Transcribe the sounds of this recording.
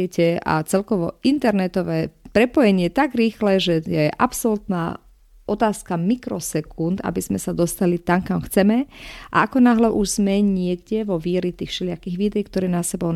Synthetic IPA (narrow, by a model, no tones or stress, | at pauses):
ɛcɛa̰t͡sɛlkɔʋɔint̪ɛɾnɛt̪ɔʋɛːpɾɛpɔjɛɲɪɛjɛt̪aɡɾiːxlɛʒɛjɛʔapsɔlut̪na̰ː | ʔɔt̪aːskamikɾɔsɛkʰund̪a̰biz̥mɛsad̪ɔst̪alit̪aŋkamxt͡sɛmɛʔa̰akɔnaɦlɛʔuʒz̥mɛɲɪɛɡɟɛʋɔʋiːɾit̪iːxʃɛlɪakiːɣʋiːd̪ɛjkt̪ɔɾɛːnasɛbɔʊn